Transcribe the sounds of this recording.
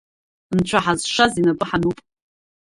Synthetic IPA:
nt͡ʃʷʰaħazʂazinabʼɨħanupʼ

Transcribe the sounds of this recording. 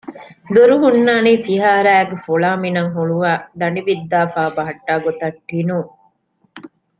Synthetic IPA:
d̪uɾuɦunːaːniːfiɦaːɾæːɡefoɭaːminɐŋɦuɭuʋaːd̪ɐniʋid̪ːaːfaːbɐɦɐʈːaːɡot̪ɐʈːinuːŋ

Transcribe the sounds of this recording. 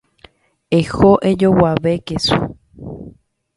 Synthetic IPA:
exoʔed͡ʒowaʋekesṵ

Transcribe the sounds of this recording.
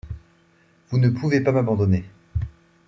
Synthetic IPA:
vunəpʰuvepamabɑ̃d̪ɔne

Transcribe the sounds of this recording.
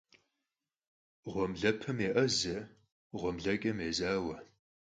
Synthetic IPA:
ʁʷɔmɮɐpʰɨmeːʔɐzɐ | ʁʷɔmɮɐkʲʼɐmeːzaːwɐ

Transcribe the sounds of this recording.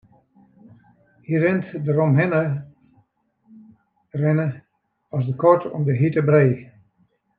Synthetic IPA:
hirɪntdəɾɔmɦɪnə | rɛnə | ɔsdəkɔɹtʰɔ̰mdəɦitəbreː

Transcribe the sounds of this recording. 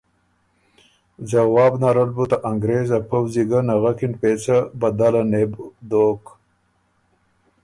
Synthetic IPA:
zawɑːbnaɾɐlbut̪aʔaŋɡɾeːzapʰɐwziɡanaɣakinpet͡sabɐd̪alanebd̪oːk

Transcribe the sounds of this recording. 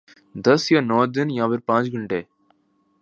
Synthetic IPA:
d̪ɐsjɐnoːɾd̪ɐnjãːʋɐɾpãːɲd͡ʒɡuɳɖeː

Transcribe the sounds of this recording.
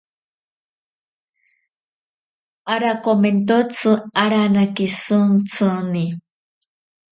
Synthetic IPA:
aɾakoment̪ot͡sʰɨaɾanakesɨŋt͡sʰɨni

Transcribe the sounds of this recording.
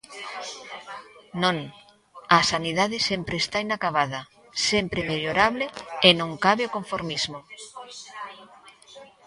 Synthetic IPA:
nõŋ | asaniðaðɪsempɾeːst̪ainakaβaðɐ | sempɾemeʎoɾaβleːnõŋkaβeokoɱfoɾmizmo

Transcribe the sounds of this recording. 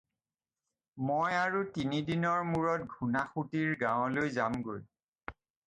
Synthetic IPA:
mojaɹutinidinɔɹmuɹɔt̚ɡʱunaxutiɹɡãʊ̃lojzamɡoj

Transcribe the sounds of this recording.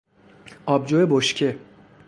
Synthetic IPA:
ʔɒːbd͡ʒojeboʃcʲʰe

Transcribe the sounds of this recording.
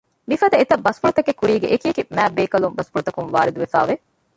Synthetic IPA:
mifɐd̪ɐet̪ɐbɐspuɾut̪ɐkekːuɾiːɡḛʔekijekimæːbeːkɐlumbɐspuɾut̪ɐkunʋa̰ːɾid̪uʋefa̰ːʋe

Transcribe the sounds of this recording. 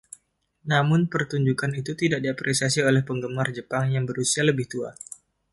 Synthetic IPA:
namʊnpərt̪uɲd͡ʒukanit̪ut̪idaʔ̚diapɾesias̬iolɛhpəŋɡəmard͡ʒəpaŋjaŋbəɾusialəbɪht̪ua

